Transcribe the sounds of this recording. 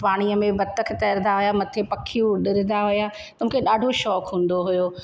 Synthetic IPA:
paːɽ̃ijəmẽbɐt̪ə̆kʰet̪ɐɾnaɦʊjamɐt̪ʰepɐkʰijũɗɪɾɪnd̪aɦʊja | t̪ɐm̤ũːkʰeɗaːɖʱoʃɔːkɦũːn̆d̪oɦʊjoː

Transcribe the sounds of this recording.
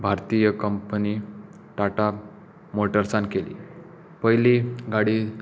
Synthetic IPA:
bʱaɾt̪ijəkəmpəni | ʈaʈa | moʈəɾsãnkelḭː | pəɦjliɡaɽiː

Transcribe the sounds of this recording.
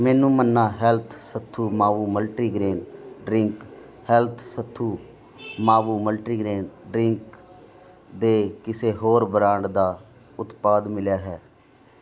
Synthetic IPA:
mɛ̃ːnũːmənːaːɦɛlt̪ʰsət̪ʰːuːmaːʋuːməlʈɾiːɡɾeːnɖɾɪŋk | hɛlt̪ʰsət̪ʰːuː | maːʋuːməlʈɾiːɡɾeːnɖɾɪŋk | d̪eːkɪseːɦoːɾbəɾaːɳd̪aː | ʊt̪paːd̪mɪljaːɦɛː

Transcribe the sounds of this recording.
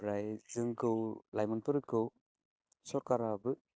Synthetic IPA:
ɾajzɯŋkʰɯwlajmɔnpɯɾɯkʰɯw | sɔkaɾabɯ

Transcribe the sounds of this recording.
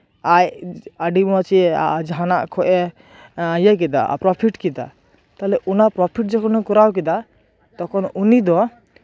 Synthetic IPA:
ajaɖimɔat͡ʃia̰d͡ʒaɦanaʔkʰɔʔɛ | jək̬ɛd̪a̰pɾɔpʰiʈkɛd̪a̰ | t̪alɛʔunapɾɔpʰiʈ̚d͡ʒɛkʰɔnɔkɔɾawk̬ɛd̪a | t̪ɔkʰɔnunid̪ɔ

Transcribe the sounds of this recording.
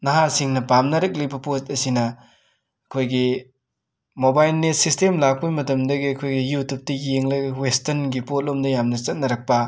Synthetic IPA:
nɐɦasiŋnɐpamnɐɾɐk̬̚libɐpostɐsinɐ | ɐkʰojɡi | mobajlnet̚sistemlak̚pujmɐtɐmdɐɡiɐkʰojɡijutʰup̚tɐjeŋlɐjɡɐwestɐnɡipot̚lomdɐjamnɐt͡ʃɐt̚nɐɾɐk̚pɐ

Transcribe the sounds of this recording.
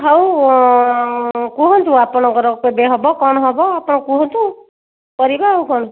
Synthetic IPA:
ɦaw | kuɦɔnt̪ʰũapɽ̃ɔŋkɔɾɔkobeɦɔbɔkɔɽ̃ɦɔbɔapɔɽ̃ɔkũɦɔ̃nt̪ʰũ | kɔɾibaɦawkɔɽ̃

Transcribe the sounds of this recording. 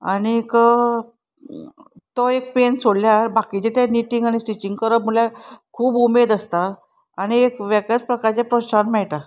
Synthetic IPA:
a̰ɽ̃ikə | t̪ɔek̚pensoɽljaɾbakit͡ɕet̪aniʈiŋɡaɽ̃isʈit͡ɕiŋɡkəɾəp̚mulakʰuːbumed̪əst̪aː | ɽ̃iekʋakat͡spɾəkaɾt͡ɕjapɾoanmɛɭʈa

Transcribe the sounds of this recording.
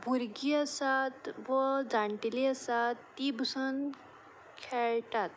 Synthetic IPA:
buɾɡijəsat̪ʋəd͡zaɳʈilijəsat̪ːibsən | kʰeɭʈat̪̚

